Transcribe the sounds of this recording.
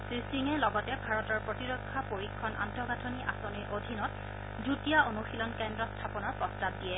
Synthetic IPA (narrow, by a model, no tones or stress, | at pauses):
sɹisiŋɛlɔɡɔtɛbʱaɹɔtɔɹpɹotiɹɔkʰːapoɹikʰːɔna̰ntɔɡatʰoniʔa̰soniʔodʱinɔt̚ | dutijaonuxilɔnkɛndɹɔstʰapɔnɔɹpɹɔsɹab̚dijɛ